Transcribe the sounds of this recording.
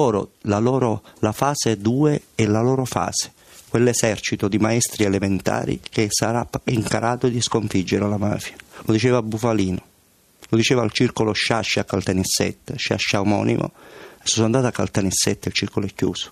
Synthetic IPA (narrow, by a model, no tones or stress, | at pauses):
oːɾo̰lalɔːɾolafaːsed̪uːeɛlaloːɾofa̰ːse̥ | kwelːesɛrt͡ʃit̪od̪imaɛst̪ɾielement̪a̰ːɾḭkesaɾaiŋkaɾʔaːt̪od̪iskoɱfid͡ʒːeɾalama̰ːfjalod̪it͡ʃɛːvabːufaliːno | lod̪it͡ʃɛːvalt͡ʃirkoloʃaʃːeakːalt̪anisːɛ̰t̪ːeʃa̰ʃːawmɔ̰ːnḭmʔo̰esːonand̪at̪akːa̰lt̪anisːɛt̪ːeilt͡ʃirkoloɛkːṵːso̥